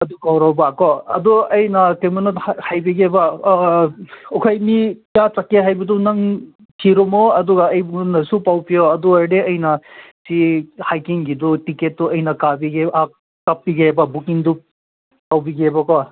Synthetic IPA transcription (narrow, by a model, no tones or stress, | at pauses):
ɐdukawɾɔwbakɔɐ̰duɐjnɐkemunethajbiɡeba | ɔkʰajmiijatakːeɦajbidunɐŋ | tʰiɾumoɐduɡaɐjbnɐsupawpijoɐduajdeɐjnɐsihajkiŋɡidutiket̚duɐjnɐkabiɡeakː | apːiɡebɐbukiŋdu | pawbiɡebɐkɔ